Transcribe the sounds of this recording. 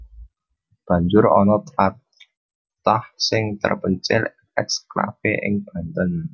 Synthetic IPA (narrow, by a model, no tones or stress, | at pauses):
b̥a̤ɲd͡ʒʊɾɔnɔt̪a | t̪ahsɪŋt̪ə̰rpəɲt͡ʃɪ̰l | ɛkskɾa̰feʔɪ̰ŋb̥a̤nt̪ən